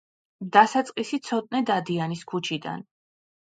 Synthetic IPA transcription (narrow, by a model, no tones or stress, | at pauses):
d̪asat̪sʼqʼisit̪sʰɔt̪ʼnɛd̪ad̪ianiskʰut͡ʃʰid̪a̰n